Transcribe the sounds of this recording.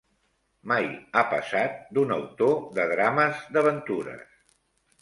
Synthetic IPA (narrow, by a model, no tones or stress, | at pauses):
majapə̰sat̪̚d̪unəwt̪oðəðɾaməzd̪əβənt̪uɾə̰s